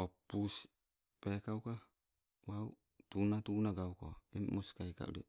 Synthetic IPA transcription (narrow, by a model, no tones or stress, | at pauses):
opus | pekawka | waw | tunatunaɡawko̰immoskajka̰ʔṵɾi